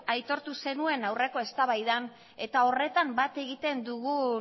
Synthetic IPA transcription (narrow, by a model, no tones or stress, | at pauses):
ajt̪o̞ɾt̪use̞nue̞nawre̞ko̞e̞st̪aβajðan | e̞t̪ao̞re̞t̪ambat̪e̞ɣit̪e̞nd̪uɣu